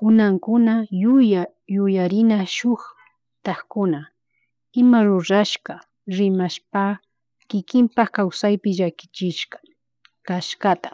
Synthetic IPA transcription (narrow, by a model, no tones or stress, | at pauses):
ʊnaŋkʊnaʊja | jʊjaɾɪnaʃʊx | t̪aχkʊna | ɪmaɾʊɾaʃka | ɾɪmaʃpa | kɪkɪmpaxkawsajpɪʒakɪ̥t͡ʃɪʃkḁ | kaʃkat̪ḁ